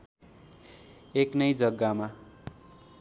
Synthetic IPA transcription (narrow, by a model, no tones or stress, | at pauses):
eknʌjd͡zʌɡːama